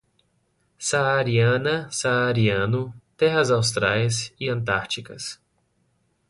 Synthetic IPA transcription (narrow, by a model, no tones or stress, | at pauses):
saːɾiɐ̃nɐsaːɾiɐ̃nʊt̪ɛɦɐzawst̪ɾajsiɐ̃nt̪aɾt͡ʃikɐ̰s